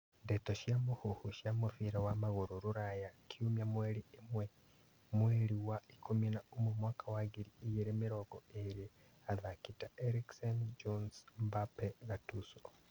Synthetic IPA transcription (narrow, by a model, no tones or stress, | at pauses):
ndetoʃjamuhuhuʃjamufiɾawamaɣoɾoɾuɾajakʰiumjamweɾiemwe | mweɾiwaikʰominaomumwaːkawaɣiɾiːjeɾemiɾoɡoeɾi | aðakitaeɾiksend͡ʒonsmbapeɣatuso̥